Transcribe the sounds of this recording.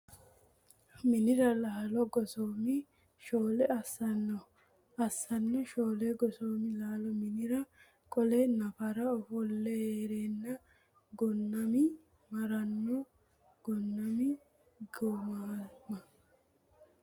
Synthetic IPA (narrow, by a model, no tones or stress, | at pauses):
mɪnɪɾɐlaːlɔɡɔsoːmɪ | ʃoːlɛɐsɐnːɔ | ɐsːɐnːɔʃoːlɛɡɔsoːmɪlaːlɔmɪnɪɾɐ | kʼɔlɛnɐfɐɾɐɔfɔlːɛheːɾeːnːɐ | ɡɔnːɐmɪ | mɐɾɐnːɔ | ɡ̥ɔnːɐmɪ | ɡɔmaːmɐ